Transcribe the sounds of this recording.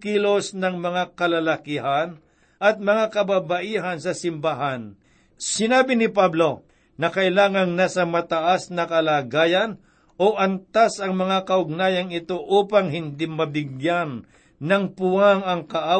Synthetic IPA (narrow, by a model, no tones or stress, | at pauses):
kilo̞snɐŋmɐŋakɐlɐlɐkɪɦan | ʔɐt̪̚mɐŋakɐbabɐʔiːɦɐnsɐsɪmbaɦan | sɪnaːbɪnɪpablo̞ | nɐkɐʔɪlaːŋɐŋnaːsɐmɐt̪ɐʔasnɐkɐlaːɡaːjɐn | ʔoʔɐnt̪asɐŋmɐŋakɐʔʊɡ̚naːjɐŋɪt̪o̞ʔuːpɐŋɦɪnd̪ɪmɐbɪɡjanː | ɐŋpʊaŋɐŋkɐʔa